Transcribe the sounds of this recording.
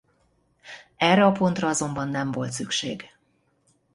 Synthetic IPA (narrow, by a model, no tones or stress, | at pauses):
ɛrɛɒpo̞nt̪rɒɒzo̞mbɒnːɛɱvo̞lt̪sykʃḛːɡ